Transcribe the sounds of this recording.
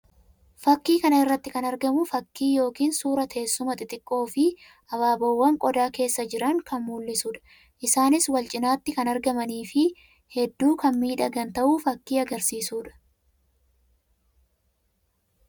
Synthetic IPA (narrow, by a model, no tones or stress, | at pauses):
fɐkːiːkɐnɐɪrːɐt̪ːɪkɐnɐɾɡɐmʊfɐkːiːjo̞ːkiːnsuːɾɐt̪ʰe̞ːsːʊmɐt̪ʼɪt̪ʼɪkʼːo̞ːfɪ | ʔɐbaːbɐwːɐŋkʼɔd̪aːke̞ːsːɐd͡ʒɪɾɐŋkɐnmuːlːɪsuːᶑɐ̥ | ʔɪsaːnɪswɐlt͡ʃʼɪnaːt̪ːɪkɐnɐɾɡɐmɐniːfɪ | hɛd̪ːuːkɐnmiːᶑɐɡɐnt̪ɐʔuːfɐkːiːɐɡɐɾsiːsuːᶑɐ̥